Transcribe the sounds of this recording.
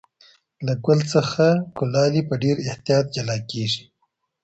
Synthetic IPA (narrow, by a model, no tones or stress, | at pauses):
laɡʊlt͡səxakʊlɑlipəɖeɾɪht̪jɑt̪̚d͡ʒalɑkeʐi̥